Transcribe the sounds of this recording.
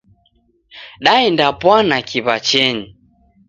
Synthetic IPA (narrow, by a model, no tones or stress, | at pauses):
ɗaɛndapwanakʰiβat͡ʃɛɲi